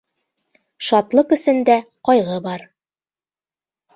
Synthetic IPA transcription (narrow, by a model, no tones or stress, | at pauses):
ʃɑt̪lˠɤqɘ̆sɘ̆nd̪æqɒjʁɤbɑɾ